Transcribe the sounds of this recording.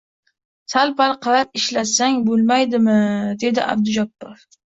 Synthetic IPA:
salpalˠqʰɑlapɪʃlasaŋbolˠmajd̪ɪmɪd̪e̞d̪ɪʔa̰b̚d̪ʊd͡ʒapːɒf

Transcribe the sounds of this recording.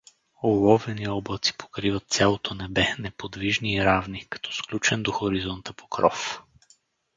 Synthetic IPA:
olˠɔvɛniɔblˠət̪si̥pʰo̥kɾivət̪̚t̪sʲjalˠot̪ʰonɛbɛnɛpod̪viʒniːɾavnikɐ̥t̪ʰɔ̥sklʲut͡ʃɛnd̪oxoɾizɔnt̪əpʰo̥kɾɔf

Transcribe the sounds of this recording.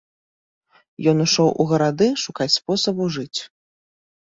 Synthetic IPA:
jɔnuʂɔwʔṵɣɐɾad̪ɨʂukat͡sʲspɔsɐbuʐɨt͡sʲ

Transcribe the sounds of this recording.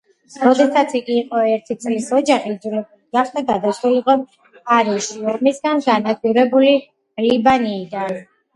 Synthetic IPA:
ɾɔd̪ɛsat̪sʰiɡʼiːqʼɔɛɾt̪ʰit̪sʼlisɔd͡ʒaχiːd̪d͡ʒ̪lɛbd̪ɡaχd̪aɡ̪ad̪asɾuliqʼɔm | aɾiʃiɔmisɡanɡanak̪ʰwiɾɛbuli | libaniːd̪an

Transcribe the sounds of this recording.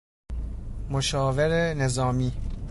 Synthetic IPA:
moʃɒːveɾene̞zɒːmiː

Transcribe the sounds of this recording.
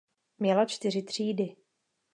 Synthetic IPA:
mɲɛlat͡ʃt̪ɪrɪt̪r̝̥iːdɪ

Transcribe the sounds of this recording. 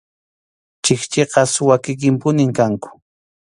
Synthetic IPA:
t͡ʃɪkt͡ʃeqɑswakɪk̬ɪmpʊnɪmkaŋkʊ̥

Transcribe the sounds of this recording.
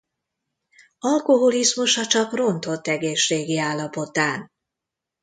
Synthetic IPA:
ɒlko̞ɦolizmuʃɒt͡ʃɒkro̞nt̪o̞t̪ːɛɡeːʃːeːɡiaːlːɒpo̞t̪aːn

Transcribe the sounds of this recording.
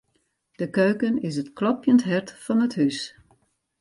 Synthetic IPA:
d̥əkøɥkənɪs̬ətklɔpjəntɦɛrtfɔnəthys

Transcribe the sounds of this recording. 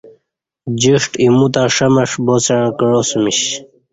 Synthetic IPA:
d͡ʑiʂʈimut̪aʂɐmɐʂboseɻ̃kəɻosumiɕ

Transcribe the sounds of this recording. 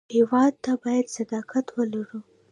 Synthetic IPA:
hewɑd̪̚t̪abɑjad̪sad̪ɑkat̪wəlaɽu

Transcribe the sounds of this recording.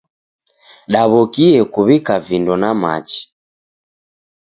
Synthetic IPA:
ɗaβɔkiɛkuβikavindɔnama̰t͡ʃi̥

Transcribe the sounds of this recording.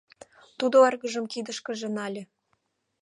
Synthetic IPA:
t̪ud̪oerɣə̆ʒə̆mkid̪ə̆ʃkə̆ʒĕnɑlʲĕ

